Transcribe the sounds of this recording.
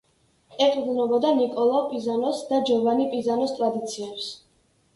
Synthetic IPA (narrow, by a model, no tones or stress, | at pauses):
ɛqʼd̪nɛbɔd̪anikʼɔlˠavpʼizanɔsd̪ad͡ʒɔvanipʼizanɔst̪ʼɾad̪it̪sʰiɛps